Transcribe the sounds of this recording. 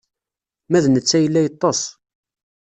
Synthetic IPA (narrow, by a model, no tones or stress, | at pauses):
mæðnət͡sːæjəlːæjət̪ˤːosˤ